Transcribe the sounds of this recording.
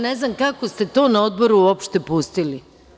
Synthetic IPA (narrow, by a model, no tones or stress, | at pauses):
neznamkako̞st̪e̞t̪o̞ːnao̞d̪̚boɾuuopʃt̪e̞pust̪ili